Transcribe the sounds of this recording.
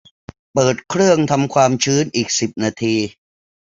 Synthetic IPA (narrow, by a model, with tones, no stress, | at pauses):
pɤː˨˩t̪̚kʰɾɯ˥˩əŋt̪ʰa˧mkʰwaː˧mt͡ɕʰɯː˦˥nʔiː˨˩k̚si˨˩p̚naː˧t̪ʰiː˧